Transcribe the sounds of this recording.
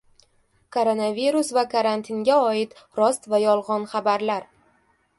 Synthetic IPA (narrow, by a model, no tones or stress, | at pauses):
kʰoɾonaviɾusvakʰaɾant̪ʰɪnɡʲaɒɪt̪ɾɒst̪vajɒlˠʁɒnχabaɾlaɾ